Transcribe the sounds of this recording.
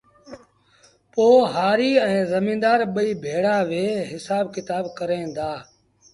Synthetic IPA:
poːɦaːɾiːɛ̃ːzəmĩːnd̪aːɾɓəiːbʱeːɽaːʋeːɦɪsaːbkɪt̪aːbkəɾẽːnd̪aː

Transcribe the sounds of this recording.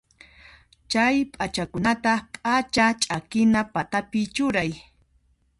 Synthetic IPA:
t͡ʃajpʼat͡ʃakʊnat̪apʼat͡ʃat͡ʃʼakɪnapat̪apɪt͡ʃʊɾaj

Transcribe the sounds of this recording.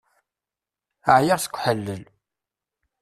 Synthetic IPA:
əʕjaʁθə̥kʷːħəlːəl

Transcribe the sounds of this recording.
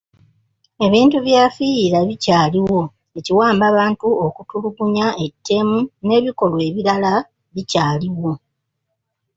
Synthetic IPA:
e̞βiːntuβjafijiɾaβicaːliwo̞ | e̞ciwaːmbaβaːntuokutuluɡuɲae̞tʰːe̞mune̞ːβiko̞lwe̞ːβiɾala | βicaːliwo̞

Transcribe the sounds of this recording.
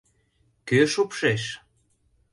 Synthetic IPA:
køʃopʃeʃ

